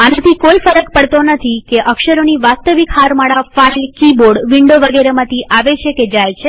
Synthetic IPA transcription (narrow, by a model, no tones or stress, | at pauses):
anãt̪ʰikoifəɾək̚pəɽt̪onət̪ʰikeʔəkʃəɾoniʋast̪əʋikhaɾmaɭafalkiboɽʋiɳɖoʋəɡeɾemãt̪ʰiʔaʋet͡ʃʰeked͡ʒajt͡ʃʰe